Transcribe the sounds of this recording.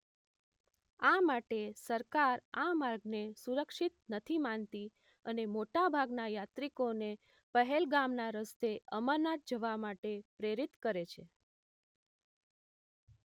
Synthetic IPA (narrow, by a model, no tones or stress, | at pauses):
amaʈesəɾkaɾamaɾɡnesuɾəkʃit̪nət̪ʰimant̪i | ənemoʈabʱaɡnajat̪ɾikone | pəɦɛlɡamnaɾəst̪eəmənat̪̚d͡ʒəʋamaʈepɾeɾit̪kəɾet͡ʃʰe